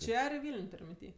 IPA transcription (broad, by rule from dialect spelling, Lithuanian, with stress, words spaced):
ˈt͡ʃʲɛ ɐr ɪ ˈʋʲiːlʲnʲ ˈtʊrʲ mʲɪnʲˈtʲiː